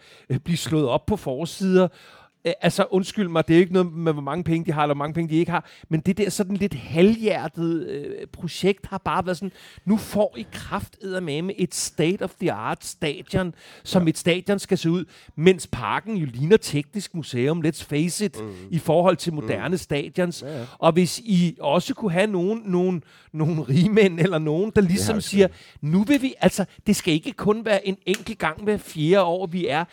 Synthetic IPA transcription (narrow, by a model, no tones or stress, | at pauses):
b̥lislɔ̽ːð̩ˠɒ̽b̥̚pʰːɒ̽fɒːsið̞ˠɐ | ʔælsɒʔɔ̽nsɡ̥yl̰mɑ̈ɪd̥e̝æɐʊe̝ɡ̥nɔ̽ð̩ˠmeʋɒmɑ̈ŋəpʰeŋəd̥iɦɑ̈elɐʋɒmɑ̈ŋəpʰeŋəd̥ie̝ɡ̥əɦhɑ̈ | mend̥e̝d̥eɐ̰sɒ̽d̥nle̝d̥hæljæɐ̰d̥ð̞̩ˠpʰʁo̝ɕeɡ̥̚d̥hɑ̈b̥ɑ̈ːʋæɐðˠsɒ̽nnufɒ̰ːikʰʁɑfd̥eð̰ˠɐmemeʔe̝d̥sd̥eːd̥ɒ̽fð̥iɑ̈ːd̥sd̥ɛ̰ːd̥jɒ̽nsɒ̽me̝d̥sd̥ɛ̰ːd̥jɒ̽nsɡ̥æse̝ːuð̞̰ˠ | men̰spʰɑ̈ːɡ̥n̩joliːnɐt͡sʰeɡ̥nisɡ̥̚museːɔ̽mled̥sfeɪsed̥ifɒːhɒ̽l̰t͡sʰe̝lmo̝d̥æɐnəsd̥ɛ̰ːd̥jɒ̽nsʔɒ̽ʋe̝siɒ̽səkʰuɦæno̝ːn̩ːo̝ːn̩ː | o̝ːn̩ʁiːmenelɐno̝ːn̩d̥ɑ̈lisɒ̽msiːɐ | nuʋe̝ʋiʔæl̰sɒ̽d̥e̝sɡ̥æe̝ɡ̥əkʰɔ̽nʋæːɐʔe̝neŋ̰ɡ̥l̩ɡ̥ɑ̈ŋ̰mefje̝ːɐɒ̰ːʋiæɐ